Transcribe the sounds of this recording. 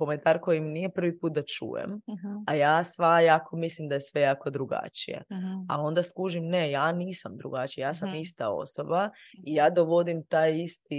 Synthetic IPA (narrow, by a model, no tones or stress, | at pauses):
ko̞ment̪aɾko̞jimnije̞pr̩ʋipuːt̪̚d̪at͡ʃṵːjḛmajaːsʋajaːkʰo̞mislimd̪aje̞sʋe̞jaːko̞d̪ɾuɡa̰t͡ʃḭjḛao̞nd̪askuʒimne̞jaːniːsamd̪ɾṵɡat͡ʃijajaːsamist̪ao̰sobaijaːd̪oʋo̞d̪imt̪aːjist̪i